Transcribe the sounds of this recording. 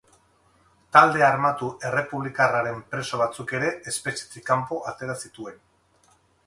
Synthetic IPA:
t̪ald̪e̞armat̪uʔe̞re̞puβlikaraɾe̞mpɾe̞so̞β̞at͡suke̞ɾe̞ʔespe̞t͡ʃe̥t͡sikampo̞ʔat̪e̞ɾasit̪ue̞n

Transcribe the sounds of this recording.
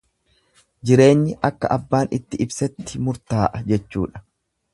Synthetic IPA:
d͡ʒɪɾe̞ːɲːɪʔɐkːɐ̰ʔɐbːaːnɪt̪ːɪɪbsɛt̪ːɪmʊɾt̪aːʔɐd͡ʒɛt͡ʃːṵːᶑɐ̥

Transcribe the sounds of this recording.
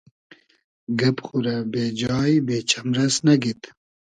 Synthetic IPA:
ɡɐpxuɾabeːd͡ʑɑːjibeːt͡ɕʰɐmɾɐsnɐɡit̪

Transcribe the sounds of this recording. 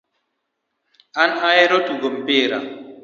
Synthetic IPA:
anhajeɾotuɡɔmbeɾa̰

